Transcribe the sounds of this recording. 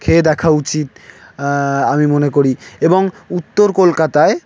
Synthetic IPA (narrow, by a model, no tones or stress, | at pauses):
kʰed̪ɛkʰaut͡ɕit̪ | amimonekoɾieboŋut̪ːoɾkolkat̪ae